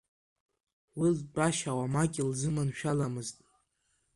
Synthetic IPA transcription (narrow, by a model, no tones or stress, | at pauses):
wilbʼaʃawamaɡʲʼɪlzɨmanʃᶣalamɨztʼ